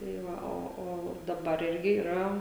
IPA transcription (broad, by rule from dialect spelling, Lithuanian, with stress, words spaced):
tɐɪ ˈʋɐ ˈoː oː dɐˈbɐr ˈɪrʲɡʲɪ iːˈrɐ